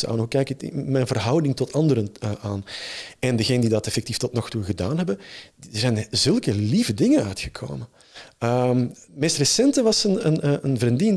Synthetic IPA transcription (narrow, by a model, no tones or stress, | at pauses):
a̰ːnɦukɛjkəɪ̰mɛjnvərɦɑwdɪŋtɔtʰɑndəɾənəʔaːnɛndəɣeːnədidɑtɛfɛk̚tiftɔtnɔxtuɣədaːnɦɛbənəzɛjnzɵlˠkəlivədɪŋənœɥtxə̥kʰo̰ːmən | əmmeːstrəsɛntəʋɑsənənəənvərindɪn